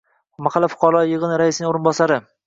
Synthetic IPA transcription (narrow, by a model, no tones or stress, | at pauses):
maχalːafʊ̥qʰɑɾɒjɨʁɨnɾaɪsɪnɪŋoɾɪnbɒsaɾɪ